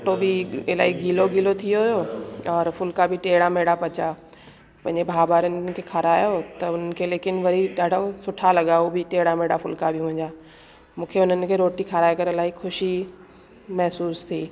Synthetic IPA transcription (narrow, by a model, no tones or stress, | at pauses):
ʈobɪɪla̰ːiɡʱiːloɡʱiːlot̪ʰijoɦʊjoːɔːɾfʊlkabɪʈeːɽameːɽapɐt͡ɕa | pɐ̃ɦɪ̃ɲd͡ʑebʱaːbaːɾənɪ̆kʰeːkʰaɾaːjot̪ɐʊn̤ənɪ̆kʰeːleːkɪnʋɐɾiɗaːɖʱosʊʈʰalɐɠaobʱɪʈeːɽameːɽafʊlkabʱɪmʊ̃ɦɪ̃ɲd͡ʑaː | mũːkʰeʊn̤ənɪ̆kʰeːɾoːʈikʰaɾaːekɐɾəlaːixʊʃi | mɛɦsuːst̪ʰiː